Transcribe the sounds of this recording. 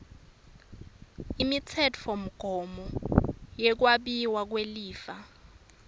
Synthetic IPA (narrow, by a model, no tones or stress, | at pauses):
imit͡sʰɛtʰɔm̩ɡ̥ʱɔmɔjɛk̬waɓiwak̬weliːfa